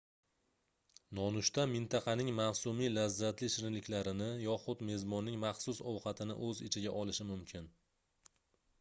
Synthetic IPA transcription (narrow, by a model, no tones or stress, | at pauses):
nɒnʊʃt̪ʰamɪnt̪ʰɑqʰɑnɪŋmasumilazːat̪lɪʃɪɾɪnlɪkʲlaɾɪnɪjɒχʊd̪me̞zmɒnːɪŋmɑχsʊsɒwqɑt̪ʰɪnɪ̰ʔɵzɪ̰t͡ʃʰɪɡʲaʔɒlɪʃɪmʊmkʲʰɪn